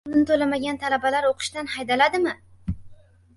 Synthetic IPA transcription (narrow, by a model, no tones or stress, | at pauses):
nnɪt̪ʰolamaɡʲant̪ʰalabalaɾoqʰɨ̥ʃd̪anhajd̪alad̪ɪmɪ